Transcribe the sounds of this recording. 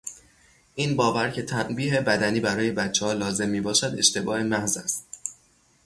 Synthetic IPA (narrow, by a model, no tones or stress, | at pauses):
ʔiːnbɒːvæɾcʰe̞t̪ʰænbiːɦe̞bæd̪æniːbæɾɒːje̞bæt̪t͡ʃʰːehɒːlɒːze̞mːiːbɒːʃæd̪e̞̰ʃt̪e̞bɒːhe̞mæhzæst̪̚